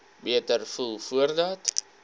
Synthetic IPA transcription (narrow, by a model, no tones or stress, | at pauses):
biətərfulˠfuərdɐt